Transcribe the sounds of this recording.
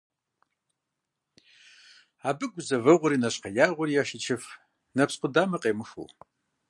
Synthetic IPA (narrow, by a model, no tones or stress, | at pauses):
aːbɨɡʷʊzɐvɐʁʷʊɾiːnɐɕqɐjaːʁʷʊɾijaːʃit͡ʃʰɪf | nɐpsqʷʊdaːmɐqʼeːmɨxṵw